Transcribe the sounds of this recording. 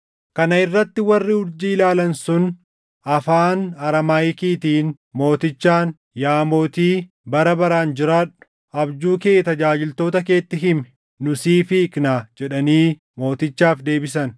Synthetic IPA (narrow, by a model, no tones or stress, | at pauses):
kɐnɐɪrːɐt̪ːɪwɐrːɪʊɾd͡ʒiːɪlaːlɐnsʊn | ɐfaːnɐɾɐmaːjkiːt̪iːn | mo̞ːt̪ɪt͡ʃːaːn | jaːmo̞ːt̪iː | bɐɾɐbɐɾaːnd͡ʒɪɾaːᶑʊ̥ | ɐbd͡ʒuːkeːt̪ɐd͡ʒaːd͡ʒɪlt̪o̞ːt̪ɐke̞ːt̪ːɪɦɪmɛ | nʊsiːfɪːknaːd͡ʒɛᶑɐniː | mo̞ːt̪ɪt͡ʃːaːfd̪e̞ːbɪsɐn